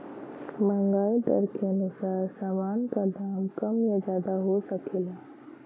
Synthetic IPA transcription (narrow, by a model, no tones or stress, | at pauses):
mə̃ŋɡaːit̪ə̰ɾkeənʊsaːɾsaːmaːnkad̪aːmkəmjad͡ʒaːd̪aɦosəkʰeːlaː